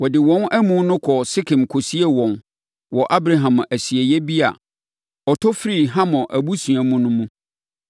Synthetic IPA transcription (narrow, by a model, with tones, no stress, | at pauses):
wɔ˨dɪ˨wɔ̃˦næ˦mũ˦nʊ̃˦kʰɔ˨sɪ˦kʰɪ̃˨mkʰo˨si˦ɛ˦wɔ̃˨n | wɔ˨ʔa˦bɾa˨ɦã˨mæ˨si˨ɛ˨jɛ˦bi˦a̰˨ | ɔ˨tʰɔ˦fɾi˦˨ɦã˦mɔ̃˨ʔæ˨bu˦sũ˨æ˨mũ˦nʊ̃˦mũ˦